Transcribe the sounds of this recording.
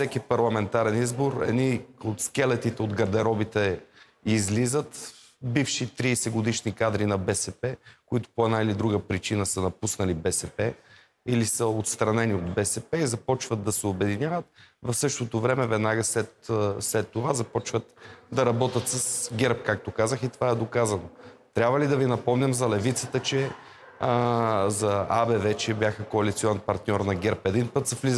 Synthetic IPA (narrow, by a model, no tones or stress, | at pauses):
fsɛkipɐɾlˠɐmɛnt̪aɾɛnizboɾɛ̰niot̪skɛlɛt̪it̪ɛod̪ɡɐɾd̪ɛɾɔbit̪ɛ | izlizət̪ | bifʃit̪ɾiːsɛɡod̪iʃnikad̪ɾinɐbɛsɛpɛkʊit̪ʊ̥poɛd̪nailid̪ɾuɡəpɾit͡ʃinəsənɐpusnɐlibɛsɛpɛ | ilisəot̪st̪ɾɐnɛniod̪bɛsɛpɛizɐpɔt͡ʃvət̪d̪ɐsɛobɛd̪inʲjavət̪vɐfsɤʃt̪ot̪ovɾɛmɛvɛd̪naɡəslɛt̪slɛt̪ːovazɐpɔt͡ʃvət̪d̪ɐɾɐbɔt̪ət̪səsɡʲɛɾp̚kak̚t̪okazəxit̪ovaɛd̪okazɐnot̪ɾʲjabvəlid̪ɐvinɐpɔmnʲəmzɐlɛvit̪sət̪ət͡ʃɛ | zɐabɛvɛt͡ʃɛbʲjaxəkoɐlit̪sʲiɔnɛnpɐɾt̪nʲɔɾnɐɡʲɛɾpɛd̪inpɤt̪səfliz